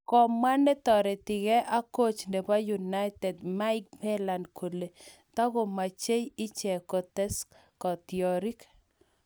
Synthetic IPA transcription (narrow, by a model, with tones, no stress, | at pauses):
kɔ˨ma˦nɛ˦tɔ˨ɾɛ˨tɪ˨ɣɛ˦ʔa˦ko˦t͡ʃnde˨pa˦ju˨na˦jtɛ˨dma˦ɪ˦k̚bɛ˦la˨ndkʰo˨le˨ | ta˦ɣo˨ma˨t͡ʃe˦jɪ˦t͡ʃɛ˨kɔ˨tɛ˦sk | kɔ˨tjɔ˨ɾi˦k